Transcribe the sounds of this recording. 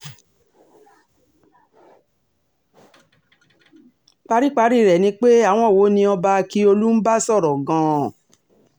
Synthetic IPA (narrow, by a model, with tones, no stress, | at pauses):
k͡pa˧˦ɾi˦˨k͡pa˧˦ɾi˦˨ɾɛ˨nĩ˧˦k͡pe˦a˦˨w̃ɔ̃˦˨wo˨˦nĩ˧ɔ˧ba˧ki˦o˧lu˦n̩˦ba˦sɔ˦˨ɾɔ˨ɡã˨˧˦